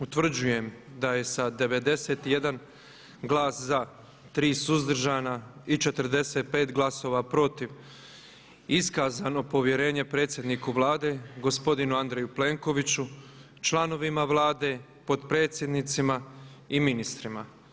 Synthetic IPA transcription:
ut̪ʋr̩d͡ʑuje̞md̪aje̞sad̪e̞ʋe̞d̪e̞se̞t̪je̞d̪an | ɡlaːsza | t̪ɾiːsuzd̪r̩ʒaːnait͡ʃe̞t̪r̩d̪e̞set̪̚pe̞ːt̪ɡlˠaso̞ːʋapɾo̞t̪iʋ | iskaːzano̞po̞ʋje̞ɾe̞ːɲe̞pɾet̪sʲje̞d̪nikuʋlaːd̪e̞ɡo̞spo̞d̪inuand̪ɾejuple̞ːŋko̞ʋit͡ɕu | t͡ʃlano̞ʋimaʋlˠaːd̪e̞ | po̞d̪pɾe̞ːt̪sjed̪nit̪simaiminist̪ɾima

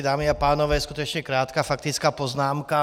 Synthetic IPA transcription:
d̪aːmiapaːnɔʋɛːskut̪ɔt͡ʃɲɛkɾaːt̪kafak̚t̪it͡skapɔznaːmka

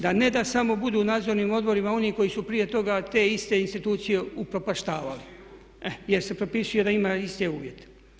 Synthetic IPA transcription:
d̪ane̞d̪asamo̞bud̪uːnaːd̪zoɾniːmo̞d̪bo̞ɾimao̞niːko̞jisupɾije̞t̪o̞ɡat̪e̞ist̪e̞inst̪it̪uːt̪sije̞upɾo̞paʃt̪aːʋali | ɛje̞ɾse̞pɾo̞pisujed̪aimaist̪euːʋje̞t̪e̥

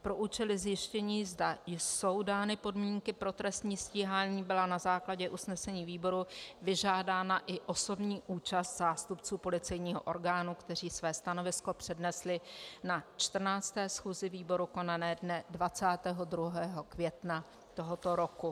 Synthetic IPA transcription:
pɾo̞ʔuːt͡ʃɛlɪzjɪʃcɛɲiːzdajso̞wdaːnɪpo̞dmiːŋkɪpɾo̞t̪ɾɛst̪ɲiːsciːɦaːɲiːbɪlanazaːklaɟɛʔusnɛsɛɲiːviːbo̞ɾuvɪʒaːdaːnaʔɪʔo̞so̞bɲiːʔuːt͡ʃast̪zaːst̪upt͡suːpo̞lɪt͡sɛjɲiːɦo̰ʔo̞ɾɡaːnukt̪ɛr̝iːsvɛːst̪ano̞vɪsko̞pr̥ɛdnɛslɪnat͡ʃt̪r̩naːt͡st̪ɛːsxuːzɪviːbo̞ɾuko̞nanɛːdnɛdvat͡saːt̪ɛːɦo̞d̪ɾuɦɛːɦo̞kvjɛt̪na | t̪oɦot̪o̞ɾoku

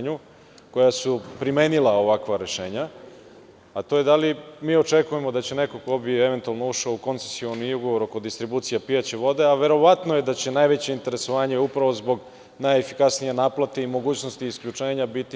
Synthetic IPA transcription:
ɲu | ko̞jasupɾime̞ːnilˠao̞ʋakʋaɾe̞ʃe̞ːɲa | at̪o̞je̞d̪alimiːo̞t͡ʃe̞kuje̞mo̞d̪at͡ɕe̞ne̞ko̞ko̞bie̞ʋe̞nt̪ualˠno̞uʃouko̞nt̪se̥sio̞niuɡo̞ʋo̞ɾo̞ko̞d̪ist̪ɾibuːt̪sijapijat͡ɕeʋo̞d̪e̞aʋe̞ɾo̞ʋat̪noje̞d̪at͡ɕe̞najʋe̞t͡ɕeint̪e̞ɾe̞so̞ʋaːɲe̞upɾaʋo̞zbo̞ɡ | najefikasnije̞naːplˠat̪e̞imo̞ɡuːt͡ɕno̞st̪iːskʎut͡ʂe̞ːɲabit̪i

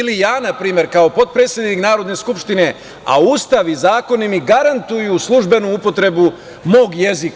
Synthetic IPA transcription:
lijaːnapɾiːme̞ɾkao̞po̞t̪̚pɾet̪sje̞d̪niknaːɾo̞d̪ne̞skupʃt̪ine̞ | a̰uːst̪aʋizaːko̞nimiɡaɾant̪ujuslˠuʒbe̞nuupo̞t̪ɾe̞bu | mo̞ːɡje̞zik

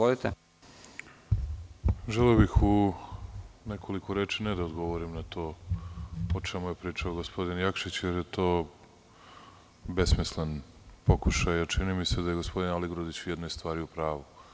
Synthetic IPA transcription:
olit̪e | ʒeleobixu | nekʰo̞likoɾeːt͡ʃined̪aod̪ɡo̞ʋoɾimnat̪o̞ː | ot͡ʃemujepɾiːt͡ʂaoɡospo̞d̪injakʃit͡ɕjeɾje̞t̪o̞ː | besmislenpo̞kuʃajat͡ʃinimise̞d̪aje̞ɡospo̞d̪inaliɡɾod̪it͡ɕujɛd̪nojst̪vʋaːɾiupɾaːʋu

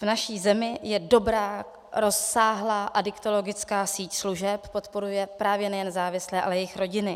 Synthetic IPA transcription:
vnaʃiːzɛmɪjɛdo̞bɾaː | ɾo̞sːaːɦlaːʔadɪkt̪o̞lo̞ɡɪt͡skaːsiːcsluʒɛppo̞t̪po̞ɾujɛpɾaːvjɛnɛjɛnzaːvɪslɛːʔalɛjɛjɪxɾo̞ɟɪnɪ

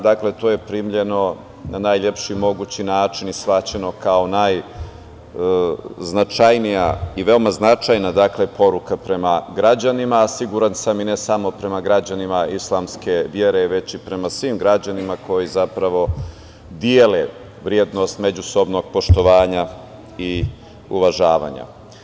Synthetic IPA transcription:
d̪akle̞t̪oːje̞pɾiːmʎe̞no̞ | nanaːjʎe̞pʃimo̞ɡuːt͡ɕinaːt͡ʂinisʋat͡ɕe̞no̞kao̞naj | znat͡ʂajnija̰iʋe̞omaznat͡ʂajnad̪aklepo̞ɾukapɾe̞maɡɾad͡ʑanimaːsiɡuɾansamine̞samo̞pɾe̞maɡɾad͡ʑanimaislˠamske̞ʋjeɾe̞ʋe̞t͡ɕipɾe̞masʋimɡɾad͡ʑanimako̞jizapɾaʋo̞ | d̪jeːle | ʋɾied̪no̞st̪me̞d͡ʑuso̞bno̞ɡ̚po̞ʃt̪o̞ʋaːɲa | i | uʋaʒaːʋa̰ɲa̰

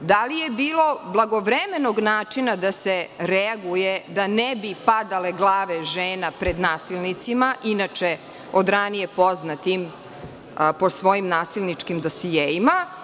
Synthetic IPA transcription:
d̪alijebiːlˠo̞blˠaɡoʋɾemenoɡnaːt͡ʂinad̪aseɾɛaɡujed̪anɛbipad̪aleɡlˠaːʋeʒeːnapɾed̪naːsilˠnit̪simaʔinat͡ʂe | od̪ɾanijepo̞znat̪im | po̞sʋo̞jimnaːsilˠnit͡ʂkimd̪osijeima

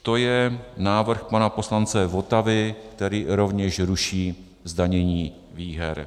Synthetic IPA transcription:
t̪o̞jɛnaːvr̩xpanapo̞slant͡sɛvot̪avɪkt̪ɛɾiːɾo̞vɲɛʃɾuʃiː | zd̪aɲɛɲiː | viːɦɛɾ

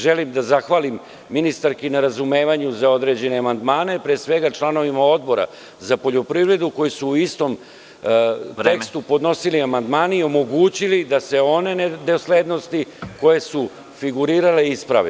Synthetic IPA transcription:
ʒelimd̪azaxʋaːlimː | inist̪aɾkinaɾazume̞ːʋaɲuzao̞d̪ɾe̞d͡ʑe̞neamand̪maːne̞pɾesʋe̞ɡat͡ʂlˠano̞ʋimao̞d̪̚bo̞ɾa̰ | zapo̞ʎo̞pɾivɾe̞d̪uko̞jisuːist̪o̞m | t̪ekst̪upo̞d̪no̞siliamand̪maːnio̞mo̞ɡuːt͡ɕilid̪ase̞o̞ne̞ned̪eosled̪no̞st̪iko̞je̞su | fiɡuɾiːɾale̞ispɾa̰ʋḛ

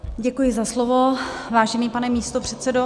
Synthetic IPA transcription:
ɟɛkujɪzaslovovaːʒɛniːpanɛmiːst̪opr̝̥ɛt̪sɛdo

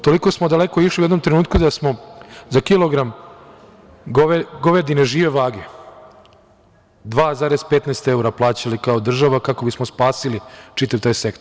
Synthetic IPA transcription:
t̪o̞liko̞smod̪alekoiʃliued̪no̞mt̪ɾenuːt̪̚kud̪asmo̞zakilˠoɡɾam | ɡoɡoʋed̪ineʒiːʋeʋaːɡe | d̪ʋaːzaːɾezpet̪neːst̪euɾaplˠaːt͡ɕalikaod̪r̩ʒaʋakako̞bismospaːsilit͡ʃit̪aʋt̪aːjse̞kt̪o

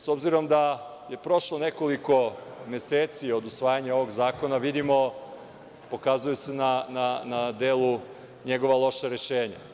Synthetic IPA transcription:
so̞bziɾo̞md̪a | je̞pɾo̞ʃlo̞ne̞ko̞liko̞mje̞seːt̪sio̞d̪usʋaːjaɲao̞ʋo̞ɡzaːko̞naʋid̪imo̞ | po̞kazujuse̞nananad̪eːlu | ɲe̞ɡo̞ʋalˠo̞ʃaɾe̞ʃeːɲa̰

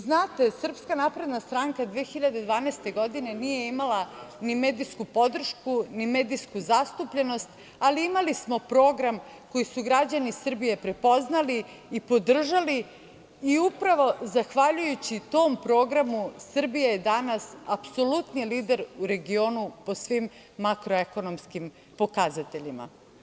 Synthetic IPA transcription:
znaːt̪e̞sr̩pskanapɾe̞d̪nast̪ɾaŋkad̪ʋeːxiʎad̪e̞d̪ʋaːnest̪e̞ɡo̞d̪ine̞nije̞imalanime̞ːd̪iskupo̞d̪r̩ʃkunime̞d̪iskuzast̪upʎe̞no̞st̪ | aliimalismo̞pɾo̞ːɡɾam | ko̞jisuɡɾad͡ʑanisr̩bije̞pɾe̞po̞znaliː | po̞d̪r̩ʒali | iupɾaʋo̞zaxʋaʎujut͡ɕit̪o̞ːmpɾo̞ːɡɾamusr̩bijaje̞d̪anasapso̞lut̪niliːd̪e̞ɾuɾe̞ɡio̞ːnupo̞sʋimː | akɾoeko̞no̞mskim | po̞kazat̪e̞ʎima̰

